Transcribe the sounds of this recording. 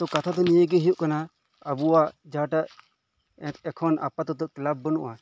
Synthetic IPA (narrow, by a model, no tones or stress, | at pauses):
t̪ɔkat̪ʰat̪̬ɔnijəɡɛɦijuʔkana | əbuad͡ʒaʈaʔ | ɛ̃t̪ɛkʰɔnʔa̰pat̪ɔt̪ɔʔklab̚ːənṵʔa